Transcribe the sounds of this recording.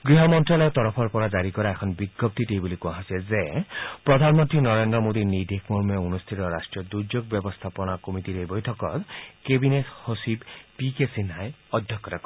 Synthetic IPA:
ɡɹiɦɔmɔntɹalɔt̪ɔɾɔpʰɔɹpɔɹazaɹikɔɹaɛkʰɔnbiɡjɔp̚t̪itejbulikuaɦɔsɛlzepɹɔd̪ʱanmɔnt̪ɹinɔɹendɹɔmod̪inid̪ʱekʰmoɹmɔunust̪ʰit̪ɔɹasʈɹijɔd̪ud͡ʒoɡ̚bjɔbɔst̪ʰapɔnakomitiɾebɔjtʰɔkɔtkebinethosibpikesinɦajɔd̪ʱjɔkːɔtakɔ

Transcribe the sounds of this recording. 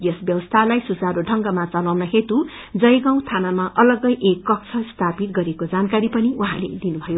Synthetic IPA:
jʌsbjʌwʌst̪ʰalajsud͡zaɾoɖʱʌŋɡʌmat͡sʌlawnʌɦet̪u | d͡zʌjɡãw̃t̪ʰanamaʔʌlʌɡʌjʔekːʌk̚t͡sʰʌst̪ʰapit̪ɡʌɾekod͡zankaɾipʌniuɦã̰lḛd̪inubʱʌjo

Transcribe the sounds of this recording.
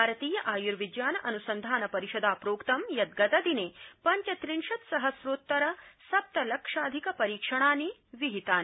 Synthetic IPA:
bʱaːɾɐt̪iːjɐʔaːjuɾʋid͡ʒjaːnɐʔɐnusɐnd̪ʱaːnɐpɐɾiʃɐd̪aːpɾoːkt̪ɐmjɐt̪̚ɡɐt̪ɐd̪ineːpɐɲt͡ʃɐt̪ɾiɳʃɐt̪sɐɦɐsɾoːt̪ːɐɾɐsɐp̚t̪ɐlɐkʂaːd̪ʱikɐpɐɾiːkʂɐɳ̃aːniʋiɦit̪aːni

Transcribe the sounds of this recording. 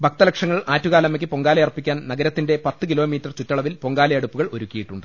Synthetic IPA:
bʱɐk̚t̪ɐlɐkʂɐŋːɐɭaːtːuɣaːlɐmːɐkʲːɨpo̞ŋɡaːlɐjɐrpːikʲːaːnnɐɡɐɾɐt̪ːinde̞pɐt̪ːɨkilo̞ːmiːtːɐrt͡ɕutːɐɭɐʋilpo̞ŋɡaːlɐjɐɽupːuɣɐɭo̞ɾukʲːijiʈːuɳɖɨ

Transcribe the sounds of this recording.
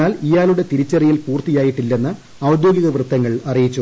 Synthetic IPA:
aːlijaːluɽe̞t̪iɾit͡ɕːerijilpuːrt̪ijaːjiʈːilːe̞nːɨ | ɐwd̪joːɡiɣɐʋrɨt̪ːɐŋːɐɭɐrijit͡ɕːu

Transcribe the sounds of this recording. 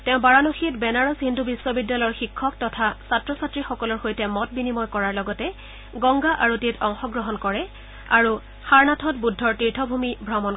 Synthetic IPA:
tɛʊ̃baɹanoxitbɛnaɹɔshindʱubiswɔbidːalɔjɹxikʰːɔk̚tɔtʰasatɹɔsatɹixɔkɔlɔɹxojtɛmɔt̚binimɔjkɔɹaɹlɔɡɔtɛ | ɡɔŋɡaʔaɹutitɔŋxɔɡɹɔɦɔnkɔɹɛ | aɹu | xaɹnatʰɔt̚budʱːɔɹtiɹtʰɔbʱumibʱɹamɔn

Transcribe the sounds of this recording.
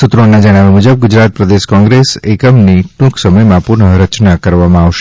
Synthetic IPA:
sut̪ɾoɳnad͡ʒəɽ̃aʋemud͡ʒəb̚ɡʊd͡ʒɾat̪̚pɾəd̪eʃkɔ̃ŋɡɾesekəmniʈũksəməjmãpʊɾɳəɾət͡ʃnakəɾʋamãaʋʃe̥

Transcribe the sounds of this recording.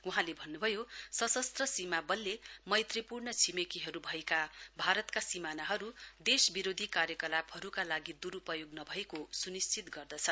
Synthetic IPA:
wuɦãlebʱʌnːubʱʌjosʌsʌst̪rʌsimabʌlːemʌjt̪ripurnʌt͡sʰimekiɦʌɾubʱʌekabʱaɾʌt̪kasimanaɦʌɾud̪esbiɾod̪ʱikarjʌkʌlaphʌɾukalaɡid̪uɾupʌjoɡnʌbʱʌekosunist͡sʰit̪ɡʌrd̪ʌt͡sʰʌ

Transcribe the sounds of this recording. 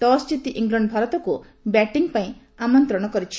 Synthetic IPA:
d̪ɔst͡ʃit̪iʔiŋɡlɔɳɖɔbʱaɾɔt̪ɔku | bɛʈiŋpaĩ | amɔnt̪ɾɔɽ̃ɔkɔɾit͡ʃʰi̥

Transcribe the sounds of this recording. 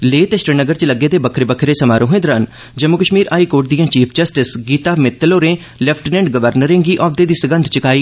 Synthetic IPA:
leːt̪eʃɾənəɡəɾt͡ʃələɡːeːt̪eːbəkʰɾebəkʰɾeːsəmaːɾõːɦẽːd̪ɾaːn | d͡ʒəmukəʃmiːɾaːiːkoːʈ̚d̪ijãːt͡ʃiːpʰd͡ʒəsʈɪsɡiːt̪aːmɪt̪ːəloːɾẽː | lɛpʰʈnɛ̃ːɳɖɡəʋəɾnəɾẽːɡiːʔɔːd̪eːd̪iːsəɡənd̪ʱt͡ʃəkaːiː

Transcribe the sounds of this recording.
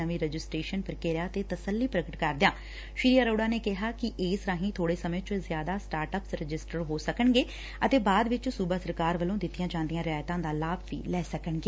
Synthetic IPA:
əʋĩːɾɛd͡ʒɪsʈɾeːʃənpəɾkeːɾjaːt̪eːt̪əsəlːiːpɾəkəʈkəɾd̪ɪjãː | ʃiːɾijaːɾoːɽaːneːkɪɦaːkɪʔeːsɾãːɦĩːt̪ʰoːɽeːsəmẽːt͡ʃʊzjaːd̪aːsʈaːɾʈəpsɾɪd͡ʒɪsʈəɾɦoːsəkəɳɡeː | ət̪eːbaːd̪ʋɪt͡ʃsuːbaːsəɾkaːɾʋəlõːd̪ɪt̪ːɪjãːt͡ʃãːnd̪ɪjãːɾɪjaːjt̪ãːd̪aːlaːbʋḭːlɛːsəkəɳɡeː

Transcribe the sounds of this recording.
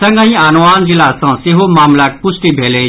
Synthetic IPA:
sɐ̃ŋɡãĩaːnʋaːnd͡ʒɪlaːsãːsɪɦomaːmlaːk̚pʊsʈibʱeːleː

